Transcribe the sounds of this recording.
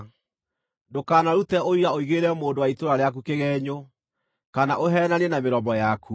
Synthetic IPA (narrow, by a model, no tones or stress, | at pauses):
dokaːnaɾutɛoiɾaoiɣeːɾɛmoːndowaitoɾaɾeak̬ukeɣɛːɲo | kanaʔoɦɛːnanɛnameɾɔmbɔjakʰu